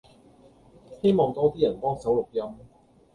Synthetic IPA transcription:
he˥˩jmɔː˧ŋt̪ɔː˥˩t̪ʰiː˥˩ja˨˩t̪ɔ˥˩ŋsa˨˦˥wlo˨˩k̚ja˧˥m

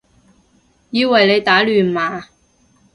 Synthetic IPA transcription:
jiː˧wɐ˨˩jle˨˧jt̪aː˨˥lyː˨˩nmaː˨˧

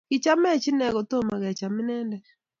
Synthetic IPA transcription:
kɪ˨t͡ʃa˦mɛ˦t͡ʃɪ˦nɛ˨ɡo˨t̪o˦ma˨ɡɛ˨t͡ʃa˨mɪ˦nɛ˦ndɛ˦

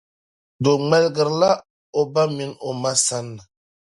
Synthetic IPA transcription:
do˨ŋ͡mɛ˦lɡə˨ɾla˦ | o˨ba˦mi˦no˨ma˦sa˦nːa˨

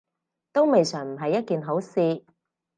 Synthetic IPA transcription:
t̪o˥wme˨jsœː˨˩ŋm̩˨˩ɦɐ˨jːɐ˥t̚kiː˨nɦo˨˥wsiː˧

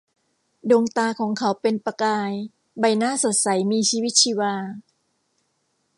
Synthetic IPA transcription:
doː˧ŋt̪aː˧kʰɔː˩˦ŋkʰa˨˦wpe˧npa˧kaː˧j | ba˧jnaː˥˨so˨˩t̪̚sa˩˦jmiː˧t͡ɕʰiː˧wi˦˥t̪̚t͡ɕʰiː˧waː˧

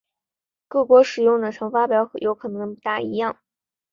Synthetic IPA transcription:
kɤ˥˩kwɔ˧˥ʂɻ̩˨˩jʊ˥˩ŋd̪ə˩ʈ͡ʂʰɤ˧˥ŋfa˥pjɑ˨˥ʊxjo˧˥ʊkʰɤ˨˩nɤ˧˥ŋpu˧˥t̪a˥˩i˧˥jɑ˥˩ŋ

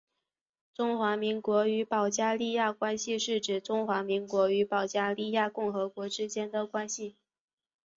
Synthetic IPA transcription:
ʈ͡ʂʊ˥ŋxwa˧˥mi˧˥ŋkwɔ˧˥y˧˥pɑ˨˩ʊt͡ɕja˥li˥˧ja˥˩kwa˥nɕi˧ʂɻ̩˥˩ʈ͡ʂɻ̩˨˩ʈ͡ʂʊ˥ŋxwa˧˥mi˧˥ŋkwɔ˧˥y˧˥pɑ˨˩ʊt͡ɕja˥li˥˧ja˥˧kʊ˥˩ŋxɤ˧˥kwɔ˧˥ʈ͡ʂɻ̩˥t͡ɕjɛ˥nd̪ə˨kwa˥nɕi˨

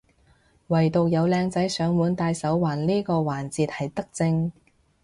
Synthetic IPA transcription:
wɐ˨˩jt̪o˨w̚jɐ˨˧wlɛː˧ŋt͡sɐ˨˥jsœː˨˧ŋwuː˨˧˥nt̪aː˧jsɐ˨˥wwaː˨˩nliː˥kɔː˧waː˨˩nt͡siː˧t̚hɐ˨jt̪ɐ˥k̚t͡sɪ˧ŋ

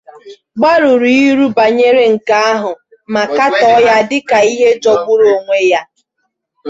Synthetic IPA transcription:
ɡ͡ba˦ɾʊ˨ɾi˨i˦ɾu˦ba˨ɲe˦ɾe˦ŋ̩˨ka˦a˦ɦʊ˨ | ma˨ka˦tɔ˦ja˦dɪ˦ka˨i˦ɦe˦d͡ʒɔ˨ɡ͡bʊ˦ɾo˨ŋʷe˦ja˦

